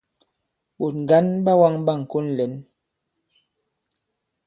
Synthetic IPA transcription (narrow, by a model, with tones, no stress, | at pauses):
ɓo˨t̚ŋ̩˨ɡa˦nɓa˦wa˦ŋba˦˨ŋ̩˨ko˦nlɛ˨˦n